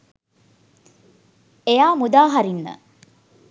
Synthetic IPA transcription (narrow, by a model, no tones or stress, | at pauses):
ejaːmud̪aːɦɐɾinːə̰